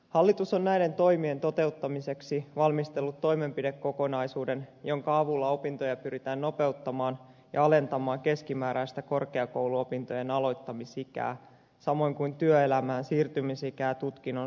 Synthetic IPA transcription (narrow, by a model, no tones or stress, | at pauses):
hɑlːit̪usonːæjde̞nt̪o̞jmie̞nt̪o̞t̪e̞ut̪ːɑmise̞ksiʋɑlmist̪e̞lːut̪ːo̞jmempide̞kːo̞ko̞nɑjsuːde̞njo̞ŋkɑɑʋulːɑo̞pint̪o̞jɑpyɾit̪æːnno̞pe̞wt̪ːɑmɑːn | jɑ̰ɑle̞nt̪ɑmɑːŋke̞skimæːɾæjst̪æko̞rkeɑko̞wluo̞pint̪o̞je̞nɑlo̞jt̪ːɑmisikæ̰ː | sɑmo̞iŋkujnt̪yøelæmæːnsiːrt̪ymisikæːt̪ut̪k̟inːo